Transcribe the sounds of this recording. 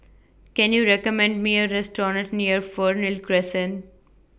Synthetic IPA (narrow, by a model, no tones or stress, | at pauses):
kɛ̃njuːɾɛkəmɛ̃ɳɖmiːəɾɛsʈɔːɾə̃ʈniəɾfɔːɾnɪlkɾɛsə̃n